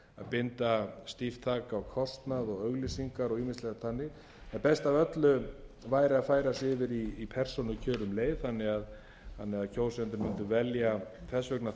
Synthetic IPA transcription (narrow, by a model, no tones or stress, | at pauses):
a̰ðpɪnt̪ast̪ift̪ʰaːkaɔkʰɔst̪naðɔɣœɣlisiŋkaɾɔɣiːmɪslɛɣt̪θanːɪɣ | ɛnpɛst̪avœt̪lʏvaːjɾɪaðfaːjɾasɪvɪɾiːpʰɛr̥sɔnʏcʰœːɾʏmleːjðθanːɪɣað | θanːɪɣaðcʰowsɛnt̪ɪɾmɪnt̪ʏvɛljaθɛsvœkna